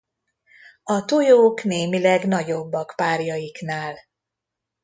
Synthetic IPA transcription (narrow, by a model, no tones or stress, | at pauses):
ɒt̪ojoːkneːmilɛɡn̪ɒɟo̞bːɒkpaːrjɒjikn̪aːl